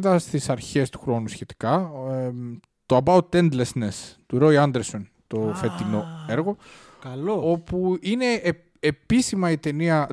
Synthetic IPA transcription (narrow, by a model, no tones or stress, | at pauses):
ðɐst̪isɐɾçe̞st̪u̥xɾo̞nusçe̞t̪i̥kɐ | t̪oɐbɐwt̪end̪lesnest̪uɾo̞iɐnd̪eɾso̞n | t̪o̞fet̪ino̞e̞ɾɣo̞ | kɐloo̞puine̞ | episimɐit̪e̞niɐ